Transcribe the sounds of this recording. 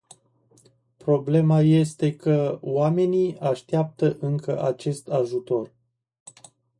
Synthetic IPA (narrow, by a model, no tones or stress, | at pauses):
pɾo̞ble̞maje̞st̪e̞kəwame̞nijaʃt̪eap̚t̪əʔɨŋkə̰ʔat͡ʃe̞st̪aʒut̪o̞r